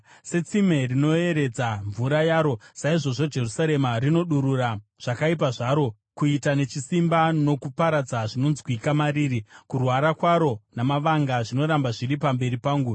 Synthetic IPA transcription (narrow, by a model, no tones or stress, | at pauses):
se̞t͡sime̞rino̞e̞ɾe̞d͡zaɱvuɾajaːɾo̞saiʐo̞ʐo̞d͡ʒe̞rusaɾe̞marino̞ɗuɾuraʐ̥akaip̬aʐaɾo̞ | kuitane̞t͡ʃisimbano̞kupaɾad͡zaʐino̞nzikuikamaɾiːɾikurwaɾakwaɾo̞namaʋaŋɡaʐino̞ɾambaʐiɾipambe̞ɾipaːŋɡu